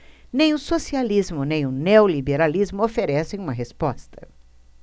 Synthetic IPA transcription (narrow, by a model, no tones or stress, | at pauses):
nẽj̃ʊsosializmʊnẽj̃ʊneolibeɾalizmʊofeɾɛsẽj̃ũmɐɦespɔst̪ɐ̥